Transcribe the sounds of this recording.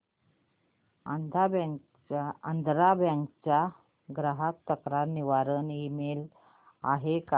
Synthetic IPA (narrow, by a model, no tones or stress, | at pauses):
b | ənd̪ʱɾabɛ̃ŋkt͡ɕa | ɡɾaɦak̚t̪əkɾaɾniʋaɾənimel | aɦeka